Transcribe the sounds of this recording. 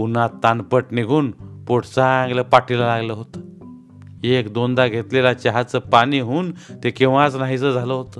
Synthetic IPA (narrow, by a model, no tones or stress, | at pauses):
unat̪ːanpəʈniɡʱuːnpoɽt͡saãŋɡləpaʈilalaɡləɦot̪ə | ekd̪ond̪aɡʱet̪lelat͡ɕaɦat͡səpaɽ̃iːɦuːnt̪ekeʋãt͡snaɦit͡səd͡zʱaləɦot̪ə